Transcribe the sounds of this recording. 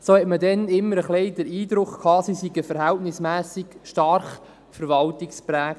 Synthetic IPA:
soːhɛtmədɛnɪmːəɾəχlɛɪdəɾiːd̪ɾʊχkʰhɑːsisiɡəfəɾɦæltnɪsmæːsɪkʃtɑɾχ | fəɾvɑltɪkspɾæːk

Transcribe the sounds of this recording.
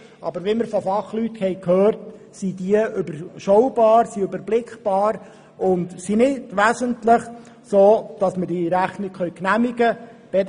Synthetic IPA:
ɑbəɾʋiməɾfɔfɑχlyt̪hɛjkʰhøːrt | sid̪iəʏbəɾʃɔwbɑːɾsiøbəɾblɪkχb̥ɑːɾ | ʊndsinɪdʋæzəntlɪχ | soːd̥ɑsmədiɾæχnɪkχœɥknæmiɡə | b̥ɛ

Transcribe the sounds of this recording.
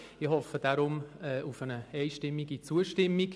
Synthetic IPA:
ɪhɔfəd̥aɾʊmɛːʔufənəɛɪʃtɪmːiɡit͡suəʃtɪmːik

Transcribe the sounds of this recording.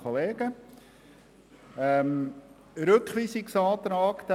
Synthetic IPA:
oleːɡə | ɛm | ɾɵkχʋiːsɪksɑːt̪əɾɑkt̪æ

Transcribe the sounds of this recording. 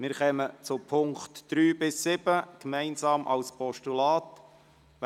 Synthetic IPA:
mɪɾχɛmət͡sʊpʰʊŋkχtd̪̥ɾyːbɪsːɪbəkmɛɪnsɑːmʔɑ̰lspʰɔʃtulɑːt̪

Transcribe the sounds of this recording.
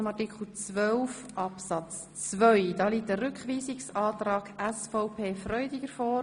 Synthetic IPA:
mɑɾtikʰχl̩t͡sʋœlf | ʔɑpsɑt͡s | t͡svœʏd̥ɑːliːt̚əɾʏkχʋiːsɪksɑːtɾɑːɡæsfɔʊpʰeːfɾœʏdɪɡəɾfɔː

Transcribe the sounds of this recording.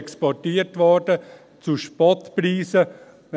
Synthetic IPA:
kspɔtiːətʋɔɾd̥ə | t͡suʃpɔtpriːsə

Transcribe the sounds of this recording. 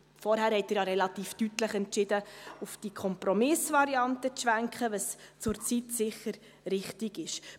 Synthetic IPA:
fɔɾhæːɾhɛtɪɾjɑɾɛlɑt̪iːftytləχɛntt͡ʃɪdəufd̥ikʰɔmpɾɔmɪsvɑɾiɑntət͡sʃʋæŋkχəʋəst͡sʊɾt͡sitsɪχəɾ | ɾɪχtɪɡɪʃ

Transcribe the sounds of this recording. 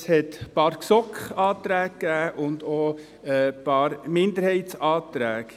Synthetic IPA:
shɛt̪pɑːɾksɔkχɑːt̪ɾæːkkːæːʔʊndoː | ɛpɑːɾmɪnd̪əɾhɛɪt̪sɑːt̪ɾæːk

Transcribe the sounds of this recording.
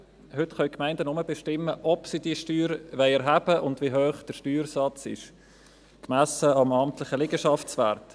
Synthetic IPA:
hʏtχœʏkmæɪndənʊməbeʃtɪmːəʔɔpsidiəʃtyːɾʋɛɪɛɾɦæb̥əʔʊndviɦøːχd̥əʃtyːɾsɑt͡sɪ̰ʃ | kmæsəɑmɑmt̪lɪχəlɪɡəʃɑft͡svæ̰ːɾt

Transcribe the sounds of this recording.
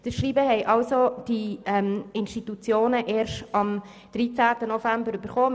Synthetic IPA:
d̥əʃɾiːbəɦɛɪʔɑlsod̥iɛmɪnʃtitut͡sjoːnəʔeːɾʃtɑm | d̥ɾiːt͡sæːtənofæmbəɾyb̥əɾχoː

